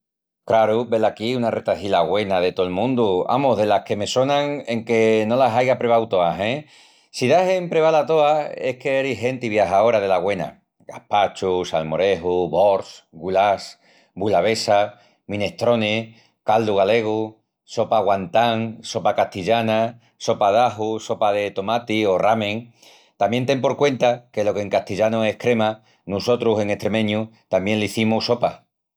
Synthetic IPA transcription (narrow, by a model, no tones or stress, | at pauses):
kɾaɾube̞lakiunaret̪aθilaɣwe̞nað̞e̞t̪oelmũnd̪ua̰moɦðe̞lahke̞me̞so̞nãŋeŋke̞no̞lasajɣapɾeβawt̪o̞aɦẽ | siðaɦe̞mpɾeβalat̪o̞ae̞keeɾiɦe̞nt̪iβjaɦao̞ɾaðe̞laɣwe̞na̰ | ɡa̰hpat͡ʃusalmo̞ɾe̞ɦuβo̞ɾsɡulas | bulaβe̞sa | mĩne̞st̪ɾo̞ne | kald̪uɣale̞ɣu | so̞paɣwant̪aŋso̞pakaht̪iʎana | so̞paðaɦuso̞paðe̞t̪o̞mat̪io̞ramẽŋ | t̪ambje̞nt̪e̞mpo̞ɾkwe̞nt̪ake̞lo̞keŋkaht̪iʎanoehkɾe̞ma | nuso̞t̪ɾuse̞ŋet̪ɾe̞mẽ̞ɲut̪amje̞nliθimuso̞pa